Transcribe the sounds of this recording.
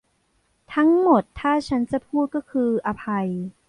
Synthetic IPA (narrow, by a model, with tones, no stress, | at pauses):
t̪ʰa˦˥ŋmo˨˩t̪ʰːaː˥˩t͡ɕʰa˦˥nt͡ɕa˨˩pʰuː˥˩t̪̚kɔː˥˩kʰɯː˧ʔa˧pʰa˧j